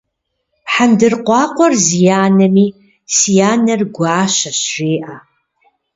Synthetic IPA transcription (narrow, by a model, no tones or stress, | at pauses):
ħandɨrqʷɑqʷʼɔrzjaːnɨmi | sjaːnɨrɡʷaːʃaʃreːʔa